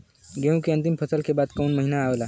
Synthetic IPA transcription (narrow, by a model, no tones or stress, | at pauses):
ɡeũkiɐ̃nt̪impʰəsəlkebad̪kəunməɦinaːʋla